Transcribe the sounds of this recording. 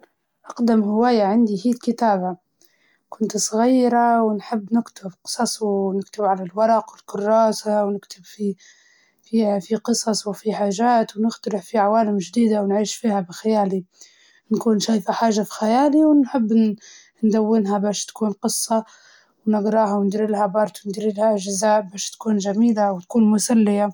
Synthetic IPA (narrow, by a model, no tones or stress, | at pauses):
ʔɑqd̪ɪmhɪwaːjaʕand̪ihiːt̪kɪt̪aːba | kʊnt̪sˤɣiːɾawɪnħɪbːnɪkt̪ʊbqɨ̥sˤɑsˤwnɪkt̪ɪbʕalalwɑɾˤɑqwɪlkʊrˤːɑːsawnɪkt̪ʰɪbfi | fifiqɨsˤɑsˤwfiħaːʒaːt̪wnɪxt̪aɾɪʕfiʕawaːlɪmʒd̪iːd̪awnʕiːʃfiːhabɪxajaːli | nkuːnʃaːjfaħaːʒːafi̥xajaːliwɪnħɪbː | nd̪awːɪnɦabaːʃt̪ḁkuːnqɨsˤːɑ | wnɪɡɾˤɑːɦawnd̪ɾilhabɑɾˤt̪wnd̪ɾilhaʔaʒzaːʔbaːʃt̪ḁkuːnʒamiːlawt̪ḁkuːnmʊsalːɪja